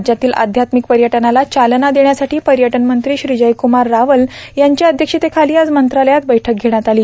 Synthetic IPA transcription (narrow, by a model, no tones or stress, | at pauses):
d͡ʑjat̪iːlʔa̰d̪ʱjat̪mik̚pəɾjəʈənalat͡ɕalnad̪eɳjasaʈʰiːpəɾjəʈənmənt̪ɾiːɕɾid͡ʑəjkumaɾːaʋəljaɲt͡ɕaəd̪ʱjəkʂit̪ekʰaliːad͡zmənt̪ɾaləjat̪̚bəjʈʰək̚ɡʱeɽ̃jat̪aliː